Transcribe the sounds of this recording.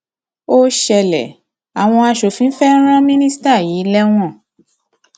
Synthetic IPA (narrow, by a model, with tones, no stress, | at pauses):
o˦ʃɛ˧˨lɛ̰˨ | a˨w̃ɔ̃˧a˧ʃo˨fĩ˨˦fɛ˦ɾ̃ã˦mĩ˦nĩ˦sta˦˨jiː˨˦lɛ˦w̃ɔ̃˦˨